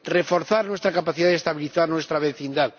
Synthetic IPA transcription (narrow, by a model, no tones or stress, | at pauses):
refoɾθaɾnwest̪ɾakapaθiðaðest̪aβiliθaɾnwest̪ɾaβeθind̪að